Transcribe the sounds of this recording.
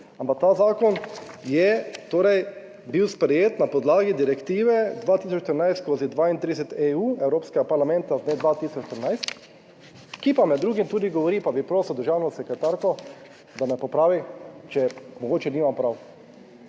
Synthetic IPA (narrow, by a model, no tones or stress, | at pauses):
ampak̚t̪azaːkɔnjɛt̪oːɾɛj | biwspɾɛjeːt̪napɔd̪laːɡid̪iɾɛkt̪iːʋɛd̪ʋaːt̪iːs̬ɔt͡ʃt̪əɾnajst̪skoːzid̪ʋaːint̪ɾid̪ɛsɛt̪euːɛwɾoːpskɛɡapaɾlamɛ̃nt̪azd̪neːd̪ʋaːt̪isɔt͡ʃʃt̪əɾnajst̪ | kipamɛd̪ːɾuːɡimt̪uːd̪iɡɔʋɔɾipabipɾoːswd̪əɾʒaːwnɔsɛkɾɛt̪aɾkɔ | d̪amɛpɔpɾaːʋit͡ʃɛmɔɡoːt͡ʃɛniːmampɾaw